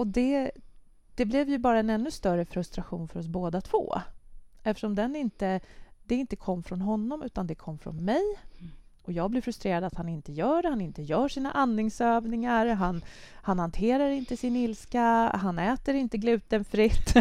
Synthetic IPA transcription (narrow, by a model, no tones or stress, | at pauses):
ɔd̪ɛ | d̪̥ɛblɛvjɵbɑːɾaɛnɛnːɵst̪œɾəfɾɵst̪ɾaɧṵːnfœɾɔs̬boːd̪at̪ʰv̥o̰ː | ɛft̪ə̥ʂɔmd̪ɛnɪnt̪əd̪̥ɛɪnt̪əkʰɔmːəfɾɔnɦɔnːɔmʉ̟ːt̪and̪ɛkʰɔmːəfɾɔ̰nmɛj | ʔɔjɑːɡ̚blɪɾfɾɵst̪ɾeːɾad̪at̪hanɪnt̪əjœːɖɛhanɪnt̪əjœːʂiːna̰ʔanːɪŋsøːvnɪŋaɾɦan | hanhant̪ʰeːɾaɾɪnt̪əsɪnɪlskaɦanɛːt̪əɾɪnt̪əɡlʉ̟ːt̪ənfɾɪt̪ː